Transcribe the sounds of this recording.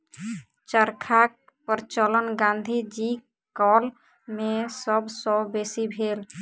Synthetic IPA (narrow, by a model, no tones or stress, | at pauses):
t͡ʃəɾkʰak̚ | pəɾt͡ʃələnɡãnd̪ʱid͡ʒi | kɔːl | mẽsəbsɔbesibʱel